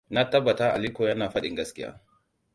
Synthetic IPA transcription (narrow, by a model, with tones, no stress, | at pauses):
na˦tɐ˦bːɐ˨taː˦ʔa˨li˦koː˨jɐ˦naː˨ɸɐ˦ɗɪ˨ŋɡɐ˦skʲɪ˦ja̰ː˦